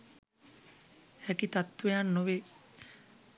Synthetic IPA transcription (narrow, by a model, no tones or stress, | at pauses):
ækit̪at̪ːʋejanːoʋe